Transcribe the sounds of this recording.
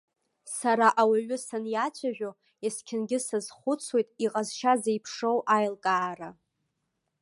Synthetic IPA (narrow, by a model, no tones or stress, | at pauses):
saɾaʔawaɥʷʊsanjat͡ɕʷʰaʒᶣo | eskʲʰɪnɡʲɪsɨzχʷʊt͡sʰwe̞jtʼiqʼazʃazejpʰʂowʔajlkʼaːra